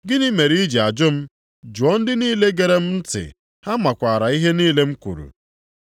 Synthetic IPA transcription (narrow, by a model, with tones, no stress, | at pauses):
ɡɪ˦ni˦me˨ɾi˦d͡ʒi˨a˨d͡ʒʊ˦m̩˦ | d͡ʒʊ˨ɔ˦n̩˦dɪ˦niː˦le˦ɡe˨ɾe˦m̩˦n̩˦tɪ̰˨ | ha˦ma˨kʷa˨ɾa˨i˦ɦe˦niː˦le˦m̩˦kʷṵ˨ɾṵ˨